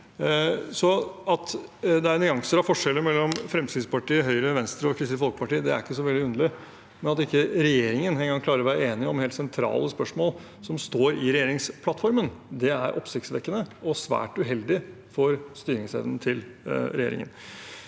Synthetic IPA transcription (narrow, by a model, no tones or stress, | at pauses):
sɔɑt̪d̪ɛæɾnʏɑŋsəɾɑfɔʂɛlːəɾmɛlːɔmfɾɛmsiːd̪spɑʈiːəɦœʏɾəʋɛnst̪ɾəɔkʰɾɪst̪əfɔlkəpɑʈiːəd̪ɛæ̰ɾɪkːəsɔʋɛlɪʉnəlɪ | mɛnɑt̪ɪkːəɾɛjeːɾɪŋənɦɛəɡɑŋkʰlɑːɾɔʋæːɾəeːnɪəɔmheːlsɛnt̪ʰɾɑ̰ːləspœʂmoːl | sɔmst̪oːɾɪɾɛjeːɾɪŋspʰlɑt̪fɔɾmənd̪ɛæɾʔɔ̰psɪkt̪sʋɛkːənəʔɔsʋæ̰ːʈʉɦɛld̪ɪ | fɔɾst̪yːɾɪŋsɛ̰ʋn̩ət̪ʰɪlɾɛjeːɾɪ̰ŋə̰n